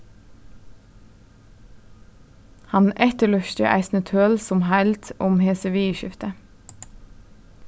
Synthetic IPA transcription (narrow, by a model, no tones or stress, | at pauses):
hɑnʔɛt̪əɭʉʃt̪ə̰ʔæ̰ɪsnət̪ʰøːlsɔmhælt̪ʊmheːsəʋeːɪʃɪft̪ə